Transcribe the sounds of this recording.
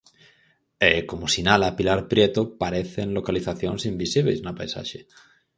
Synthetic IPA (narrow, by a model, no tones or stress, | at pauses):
ekomosinalapilaɾpɾjet̪opaɾeθenlokaliθaθjonsimbisiβḛjznapajsa̰ʃe